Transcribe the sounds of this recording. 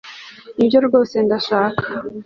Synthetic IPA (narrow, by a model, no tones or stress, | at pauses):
ibɟoɾɡo̞ːse̞ndaʃaːkʰḁ